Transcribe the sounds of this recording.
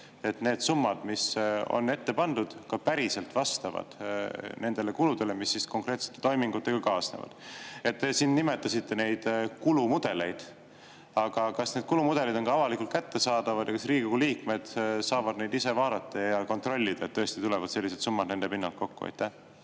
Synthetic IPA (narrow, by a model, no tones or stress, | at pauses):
e̞t̪ne̞ːd̪̥sumːɑd̪̥miso̰nːe̞t̪ːe̞pɑnd̪ud̪̥kɑpæɾise̞lt̪vɑst̪ɑvɑ̰d̪̥ne̞nd̪̥e̞le̞kulud̪e̞le̞misːisko̞ŋkre̞ːt̪se̥t̪ːe̥t̪o̞jmiŋɡut̪ːˑe̞ɡ̥ɑkɑːsnḛvɑ̰d̪̥e̞t̪t̪ːe̞sinːime̞t̪ːˑɑsit̪ːe̞ne̞jd̪̥kulumud̪̥e̞le̞jd̪̥ | ɑɡ̥ɑkɑsneːd̪̚kulumud̪e̞lid̪o̞nkɑɑvɑlikˑult̪̚kæt̪ːe̞sɑːd̪̥ɑvɑd̪jɑkɑsriːɡiɡuliːkme̞d̪̥sɑːvɑd̪ne̞jd̪ise̞vɑːd̪ɑt̪ːˑɑjɑko̞nt̪ro̞lʲːid̪ɑet̪ːɤ̞est̪it̪ulevɑd̪̥se̞lʲːised̪sumːɑd̪ne̞nd̪epinːɑlt̪̚ko̞kːuɑ̰jt̪ːæh